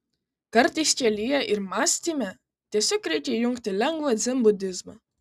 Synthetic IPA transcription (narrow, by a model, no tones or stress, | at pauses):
kɐɾt̪ɐɪsʲkʲɛlʲijɛʔɪɾmaːsʲt̪ʲimʲɛ | t̪ʲiɛsʲɔːkːɾʲɛɪkʲɛjʊŋkt̪ʲɪlʲɛŋɡʋɐd̪zʲɛmbʊd̪ʲɪzmɐ